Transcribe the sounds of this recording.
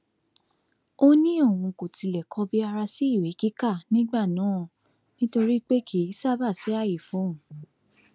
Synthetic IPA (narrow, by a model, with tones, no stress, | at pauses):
o˦˧nĩ˦o˦˨wũ˧˨ko˨ti˧lɛ˨kʰɔ˧bi˦a˧ɾa˧si˦i˦˨we˨˦ki˦ka˦˨nĩ˦ɡ͡ba˦˨nãː˨˦˨ | nĩ˦to˧ɾi˦k͡pe˦kʰi˨˦i˦sa˦˨ba˦˨si˨˦a˦˨ji˨fũ˨˦˨